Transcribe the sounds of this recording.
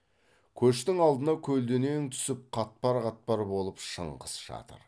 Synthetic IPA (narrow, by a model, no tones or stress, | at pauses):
kʲʰɵʃt̪ɪŋɑlˠd̪ənɑkʲʰɵld̪ene̞nt̪ʰʏ̥sɪp̚qʰɑt̪̚pɑɾqɑt̪̚pɑɾbo̞lˠəpʃə̰ɴqəsʒɑ̰t̪ə̰ɾ